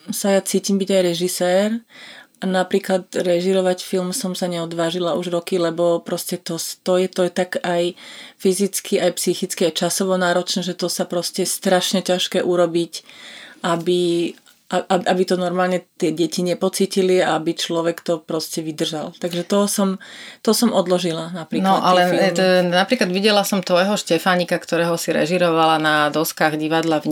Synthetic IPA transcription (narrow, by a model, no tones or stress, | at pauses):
sajat͡siːcimbiɟajɾɛʒisɛːɾʔanapɾiːklat̪ɾɛʒiɾɔʋacfilmsɔmsaɲɛɔd̪ʋaːʒilaʔuʒɾɔkilɛbɔpɾɔscɛt̪ɔst̪ɔjɛt̪ɔjt̪akajfizit͡skiajpsixit͡skiajt͡ʃasɔʋɔnaːɾɔt͡ʃnɛʒɛt̪ɔsapɾɔscɛɛst̪ɾaʃɲɛcaʃkɛːʔuɾɔbicʔabi | aʔaʔabit̪ɔnɔɾmaːlɲɛt̪ɪɛɟɛciɲɛpɔt͡siːciliaabit͡ʃlɔʋɛkt̪ɔpɾɔscɛʋid̪r̩ʒalt̪aɡʒɛt̪ɔɦɔsɔmt̪ɔsɔmʔɔd̪lɔʒilanapɾiːnɔad̪ʔalɛimnapɾiːklad̪ʋiɟɛlasɔmt̪ʋɔjɦɔʃcɛfaɲikakt̪ɔɾɛːɦɔsiɾɛ̰ʒiɾɔʋalanad̪ɔskaːɣɟiʋad̪lav